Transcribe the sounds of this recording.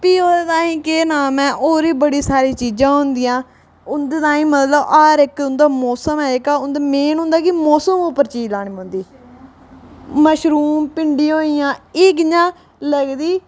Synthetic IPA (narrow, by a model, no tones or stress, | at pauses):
piːoet̪ãːĩːkeːnaːmɛ̃ːʔoːɾiːbəɽiːsaːɾiːt͡ʃiːd͡ʒãːɦʊ̃nd̪iːãː | ʊnd̪eːt̪ãːĩːmət̪ləbaːɾɪkʊnd̪aːmɔːsəmɛːkaːʊnd̪eːmeːnɦʊ̃ːnd̪aːkɪmɔːsəmopəɾt͡ʃiːlaːɳ̃iːõːnd̪iː | məʃɾuːmpɪɳɖiːoːiːjãːɪɡɲãː | ləɡd̪iː